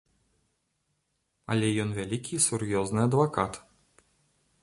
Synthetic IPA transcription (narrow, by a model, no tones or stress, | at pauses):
ɐ̰lʲɛjɔnvʲalʲikʲisurjɔznɨɐd̪vakat̪